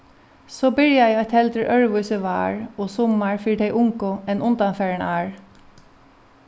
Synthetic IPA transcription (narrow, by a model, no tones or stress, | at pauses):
soːbɪɹjaɛɔt̪ʰɛlt̪əɹʔœɹʋuʏsəʋa̰ːɹoːsɔmːaɹfiːʈ̪ʰeɪʔʊŋkʊɛnʔʊnt̪anfɛːɹəɳaːɹ